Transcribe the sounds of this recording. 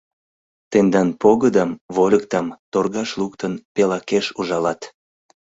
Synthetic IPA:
t̪end̪ɑnpoɣəd̪ɑmvolʲək̚t̪ɑmt̪orɣɑʃlukt̪ənpelɑkeʃuʒɑlɑt̪

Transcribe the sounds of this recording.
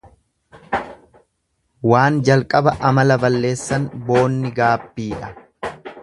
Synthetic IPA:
waːnd͡ʒɐlkʼɐbɐʔɐmɐlɐbɐlːe̞ːsːɐnbo̞ːnːɪɡaːbːiːᶑɐ

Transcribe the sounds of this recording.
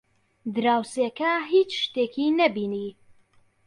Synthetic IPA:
d̪ɨɾaːwsekɐɦit͡ʃʃt̪ekʰinɐbiːni

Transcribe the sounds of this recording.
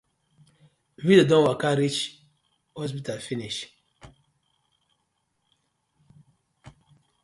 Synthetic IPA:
vidadɔ̃wakaɾit͡ʃ | hɔspitalfiniʃ

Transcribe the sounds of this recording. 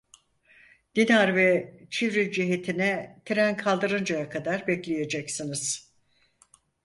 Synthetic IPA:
d̪̥inaɾvɛt͡ʃʰivɾilʲd͡ʒiɦet̪ʰinɛt̪ʰiɾænkʰalˠd̪ɯɾɯnd͡ʒajakʰad̪aɾbɛclʲeje̞d͡ʒɛcsinɯz̥

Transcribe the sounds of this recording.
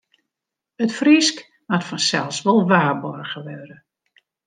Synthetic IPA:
ətfrisk | matfɔnsɛlˠsʋɔlˠʋaːrbɔrɣəʋøɾə

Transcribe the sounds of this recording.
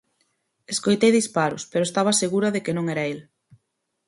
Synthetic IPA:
eskojt̪ejðispaɾʊ̰speɾoest̪aβɐseɣuɾɐðekenõŋɛɾɐel

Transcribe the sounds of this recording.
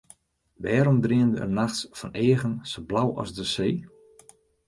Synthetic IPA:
ʋɛːɾɔmdriəndəə̰naxtsfɔneːɣənsoblawɔ̰zdəseː

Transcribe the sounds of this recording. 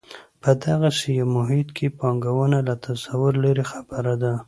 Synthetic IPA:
pəd̪aɣasejawmʊɦɪt̪kʰepɑŋɡawənalat̪ʰasawʊɾlaɾexabəɾad̪a

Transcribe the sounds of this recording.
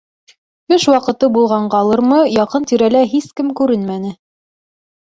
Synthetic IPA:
ɵʃwɑqɤ̆t̪ɤbulˠʁɑɴɢɑlˠɤɾmɤjɑqɤnt̪iɾælæɦiskɘmkʉɾɘnmænɘ

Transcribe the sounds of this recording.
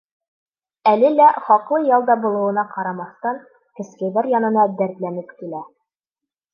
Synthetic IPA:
ælɘlæχɒqlˠɤjɑlˠd̪ɑbŭlˠɤ̆wɤ̆nɑqɑɾɑmɑθt̪ɑŋ | kɘ̆skæjdæɾjɒnɤ̆nɑd̪æɾt̪lænɘpkilæ

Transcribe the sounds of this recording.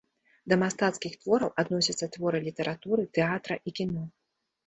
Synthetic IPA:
d̪ɐmast̪at̪skʲixt̪vɔɾɐwʔad̪nɔsʲɐt̪sːɐt̪vɔɾɨlʲit̪ɛɾʔat̪uɾɨt̪ɛat̪ɾɐʔikʲinɔ

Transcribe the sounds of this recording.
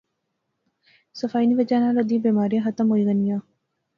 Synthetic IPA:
sɐfaːiniʋɐd͡ʒaːnaːɾɐd̪iːbeːmaːɾijə̃ɦɐt̪əmɦoiɣɐnijãː

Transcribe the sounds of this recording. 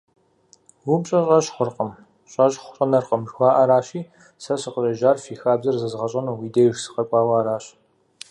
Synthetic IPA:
wʊmɕʼɐɕʼɐɕχʷʊrqʼəm | ɕʼɐʒχʷʊ̥ɕʼɐnɐrqəmʒxʷɑːʔɐɾaːɕiː | sɐɕɨqəɕʼɐʒaːrfiːxaːbzɐrzɨzʁɐɕʼɐnowiːdeːjʒsɨ̥qɐkʷʼɑːwaːɾaːɕ

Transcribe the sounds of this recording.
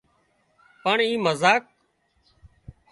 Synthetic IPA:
pəɳĩːməzaːk̚

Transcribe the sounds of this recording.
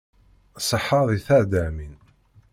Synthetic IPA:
sˤəħːɑðiθæʕd̪æmin

